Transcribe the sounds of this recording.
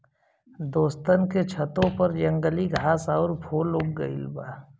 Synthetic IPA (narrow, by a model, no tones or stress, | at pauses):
d̪oːst̪ənket͡ʃʰət̪õpɐɾd͡ʒə̃ŋɡəliɡʱaːsaːɾbʰʱoːlʊk̚ɡəɪ̰lbaː